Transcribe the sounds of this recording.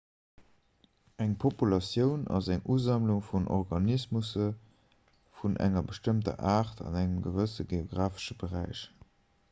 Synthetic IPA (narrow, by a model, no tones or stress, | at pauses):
æŋpʰopulɑsjəʊnɑ̰zæŋʔuzɑmluŋfunʔɔ̰ʁɡɑnismusə | funʔæ̰ŋɐbəʃtəmtɐ̰ʔaːʁtʰɑ̰næŋəmɡəvəsəɡeoɡʁaːfə̥ʃəbəʁæɪʃ